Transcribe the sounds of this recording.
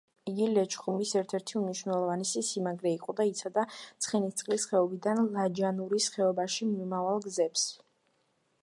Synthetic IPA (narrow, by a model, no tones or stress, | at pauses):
iɡilɛt͡ʃʰχumisɛɾt̪ʰɛɾt̪ʰiumniʃwnɛlˠɔvanisisimaɡɾɛiqʼɔd̪ait̪sʰad̪at̪sʰχɛnit̪t̪sʼqʼlisχɛɔbid̪anlˠad͡ʒanuɾisχɛɔbaʃimiumavalˠɡzɛps